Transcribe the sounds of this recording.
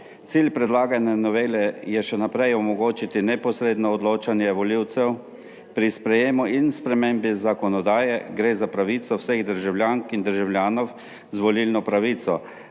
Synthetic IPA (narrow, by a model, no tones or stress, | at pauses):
t̪silʲpɾɛd̪laːɡanjanɔʋeːlɛjɛʃɛnapɾɛjɔmɔɡoːt͡ʃit̪inɛpɔsɾeːd̪nɔːd̪loːt͡ʃanjɛʋɔliwt̪sɛw | pɾispɾɛjeːmuinspɾɛmembizakɔnɔd̪aːjɛɡɾeːzapɾaʋiːt̪sɔwseɣd̪əɾʒawlʲjaːŋkind̪əɾʒawlʲjaːnɔw | zʋɔlilnɔpɾaʋiːt̪sɔ